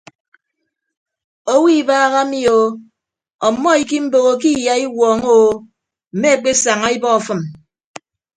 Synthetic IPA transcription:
o˦wi˦baː˦ɣa˦mi˦o˨ | ɔ˨mːɔ˦i˨ki˦m̩˦bo˨ɣo˨k̬i˦ja˨i˦wɔː˨ŋo˦ | m̩˨me˦e˦˨k͡pe˦sa˨ŋa˦i˦bɔ˦ɔ˨fɨ˦m

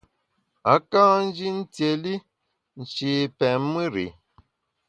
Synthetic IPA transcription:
a˨˦kãː˦n̩˦d͡ʒi˦n̩˦tje˨li˦ | n̩˨t͡ʃi˨pɛ˨m˦mɨ˦ɾḭ˨

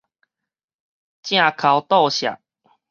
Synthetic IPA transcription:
t͡ɕjã˥˧˨kʰa˨˦wt̪ɔ˥˧˨ɕja̰˨˩ʔ

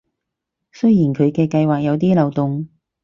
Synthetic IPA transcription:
sɵ˥jjiː˨˩nkʰɵ˨˧ɥkɛː˧kɐ˧jwaː˨k̚jɐ˨˧wt̪iː˥lɐ˨wt̪ʊ˨ŋ

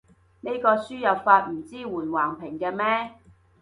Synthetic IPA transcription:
ne˨˥jkɔː˧syː˥jɐ˨wfaː˧t̚m̩˨˩t͡siː˥wuː˨˩nwaː˨˩ŋpʰɪ˨˩ŋkɛː˧mɛː˥

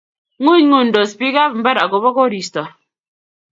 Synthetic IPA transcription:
ŋu˦ɲŋu˨n˨do˨spi˦ka˦pm̩˦bɛ˦ɾa˨ɡo˨bɔ˦kɔ˦ɾi˨stɔ˨ɾ

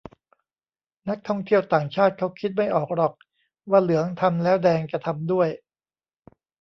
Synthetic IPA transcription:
na˦˥k̚t̪ʰɔ˥˩ŋt̪ʰi˥˩əwt̪aː˨˩ŋt͡ɕʰaː˥˩t̪̚kʰa˦˥wkʰi˦˥t̪̚ma˥˩jʔɔː˨˩k̚ɾɔ˨˩k̚ | waː˥˩lɯ˩˦əŋt̪ʰa˧mlɛː˦˥wdɛː˧ŋka˧t̪ʰa˧mdu˥˩əj

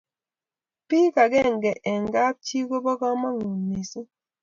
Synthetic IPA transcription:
pi˦ka˨ɡɛ˦˨ŋ˨ɡɛ˨ʔɛ˨ŋ˨ɡa˦p̚t͡ʃi˦ɡo˦bɔ˦ɡɔ˦ma˦ŋu˨nni˨si˦

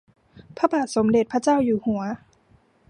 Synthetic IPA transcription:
pʰa˦˥baː˨˩t̪̚so˩˦mde˨˩t̪̚pʰa˥t͡ɕaː˥˩wjuː˨˩hu˨˩˦ɐ

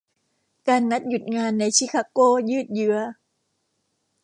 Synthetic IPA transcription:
kaː˧nːa˦˥t̪̚ju˨˩t̪̚ŋaː˧nːa˧jt͡ɕʰi˧˥kʰaː˧˥koː˧˥jɯː˥˩t̪̚jɯ˦˥ɐ

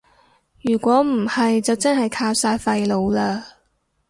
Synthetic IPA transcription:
jyː˨˩kʷɔː˨˥m̩˨˩hɐ˨jt͡sɐ˨wt͡sɐ˥nhɐ˨jkʰaː˧wsaː˧jfɐ˧jlo˨˧wlaː˧

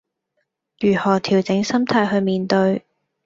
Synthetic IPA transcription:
jyː˨˩hɔː˨˩t̪ʰiː˨˩wt͡sɪ˨˥ŋsɐ˥mt̪ʰaː˧jɦɵ˧ɥmiː˨nt̪ɵ˧ɥ

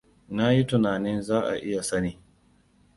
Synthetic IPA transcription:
na˦ji˦tʊ˨naː˨nɪ˦nzaː˦ʔa̰˨ʔɪ˦ja˨sɐ˦niː˨

